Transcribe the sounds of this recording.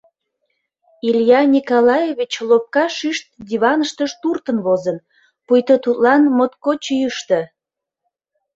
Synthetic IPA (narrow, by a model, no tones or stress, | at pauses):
iljɑnʲikolɑjeβʲit͡ɕlop̚kɑʃyʃt̪̚d̪ʲiβɑnəʃt̪əʃt̪urt̪ənβozən | pujt̪ət̪ut̪lɑnmot̪̚kot͡ɕyjəʃt̪ə